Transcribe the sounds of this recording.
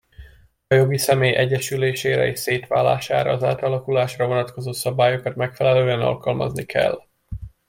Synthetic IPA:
ɒjo̞ɡisɛmeːjʔɛɟːɛʃyleːʃeːɾɛ̰eːʃseːt̪ʋaːlːa̰ːʃa̰ːɾɒ̰ːza̰ːt̪ɒlɒkulaːʃrɒvo̞nɒt̪ko̞zoːsɒbaːjo̞kɒt̪mɛkfɛlɛløːɛnɒ̰lkɒlmɒ̰znikʰɛ̰lː

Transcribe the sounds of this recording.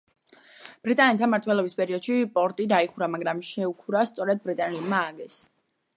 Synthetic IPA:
b̥ɾit̪ʼanɛt̪ʰamaɾt̪ʰwɛlˠɔbispʼɛɾiɔd̪̥ʃipʼɔɾt̪ʼid̪aiχuɾamaɡɾamʃɛukʰuɾast̪sʼɔɾɛd̪̚bɾit̪ʼanɛlmaːɡɛs

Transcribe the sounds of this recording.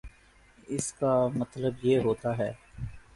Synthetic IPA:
ɪskamɐt̪ləbjeɦoːt̪aɦɛː

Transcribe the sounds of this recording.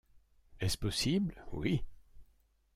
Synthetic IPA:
ɛspɔsibləwi

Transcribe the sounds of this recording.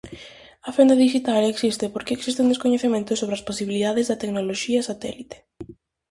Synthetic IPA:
ɐfend̪ɐðiʃit̪aleksist̪ɪpoɾkeːksist̪ɪũnd̪eskoɲeθemẽnt̪ʊsoβɾeɐsposiβiliðaðɪzðɐt̪eknoloʃiɐsat̪ɛ̰lit̪e̥

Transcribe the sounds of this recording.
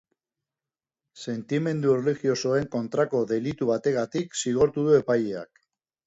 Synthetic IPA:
se̞nt̪ime̞nd̪uereliɣio̞so̞e̞ŋko̞nt̪ɾako̞ðe̞lit̪uβat̪e̞ɣat̪iksiɣ̞o̞ɾt̪uðue̞pajea̰k

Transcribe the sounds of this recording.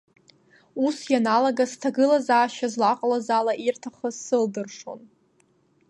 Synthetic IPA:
usjanalaɡastʰaɡɨlazaːʃazlaqʼlazalaʔirtʰaχəsɨldɨrʂo̞̰n

